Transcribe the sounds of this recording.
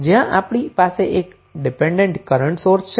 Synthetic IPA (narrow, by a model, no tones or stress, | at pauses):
d͡ʒɪjãʔaːpɽ̃ipaːseʔeːk | ɖɪpẽːɳɖẽɳʈkəɾəɳʈsoːɾst͡ʃʰ